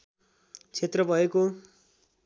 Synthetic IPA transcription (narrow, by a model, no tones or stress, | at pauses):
t͡sʰet̪rʌbʱʌeko